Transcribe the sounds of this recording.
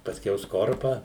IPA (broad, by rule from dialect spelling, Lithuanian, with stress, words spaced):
pɐsʲˈkʲɛʊ ˈskoːrpɑː